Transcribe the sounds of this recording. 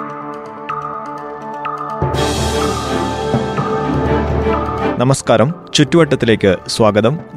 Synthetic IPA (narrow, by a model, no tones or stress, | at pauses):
nɐmɐskaːɾɐmt͡ɕutːuʋɐʈːɐt̪ːile̞ːkʲːɨswaːɡɐðɐm